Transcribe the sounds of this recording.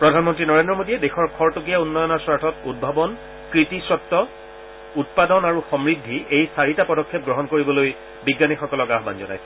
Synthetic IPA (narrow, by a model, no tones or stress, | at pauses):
pɹɔdʱanmɔntɹinɔɹendɹɔmodijɛdexɔɹkʰɔɹtok̬ijaunːɔjɔnɔɹswaɹtʰɔtud̚bʱabɔn | kɹitisɹɔtːɔ | ut̚padɔnaɹuxɔmɹidʱːiejsaɹitapɔdɔkʰːɛp̚ɡɹɔɦɔnkoɹibɔloj | biɡːanixɔkɔlɔkaɦba̰nzɔ̰na̰jsɛ